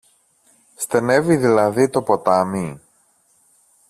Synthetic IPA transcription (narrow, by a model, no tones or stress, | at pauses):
st̪e̞ne̞viðilɐðit̪o̞po̞t̪ɐmi